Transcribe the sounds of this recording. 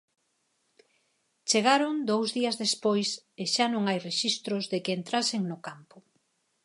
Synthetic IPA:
t͡ʃeɣaɾoŋd̪owzðiɐzðespojseʃanõŋajreʃist̪ɾʊzðɪkɪːnt̪ɾaseŋnʊkampʊ

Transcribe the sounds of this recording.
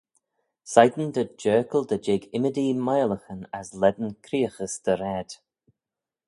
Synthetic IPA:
sajd̪ən̩d̪əd͡ʒɜːkəlˠd̪əd͡ʒɪɡɪməd̪imajləxənaslɛd̪ənkʰɾiːəxəsd̪̥əɾɛd̪̥

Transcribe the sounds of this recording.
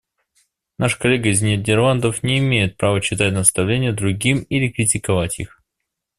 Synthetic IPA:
naʂkɐlʲeɡəzʲnʲedʲɪrlˠand̪əfnʲɪːmʲejɪt̪̚pɾavəɕːɪt̪atʲnəst̪ɐvlʲenʲɪjəd̪ɾʊɡʲimilʲɪkɾʲɪtʲɪkɐvatʲḭx

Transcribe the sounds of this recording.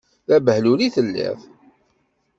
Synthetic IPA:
ðæbəhluliθəlːḭθ

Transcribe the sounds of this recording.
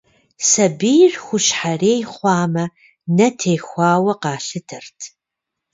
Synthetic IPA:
sɐbijrxʷʊɕħareːjχʷɑːmɐ | nɐtʰeːxʷɑːwɐqɑːɬɨtʰɨrtʰ

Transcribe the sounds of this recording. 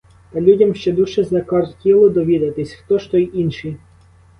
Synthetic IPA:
t̪ɐlʲudʲɐmʃt͡ʃɛd̪uʃɛznɐkɔrt̪tʲilˠɔd̪ɔʋʲid̪ɐt̪ɪsʲxt̪ɔʃt̪ɔjʔinʃi

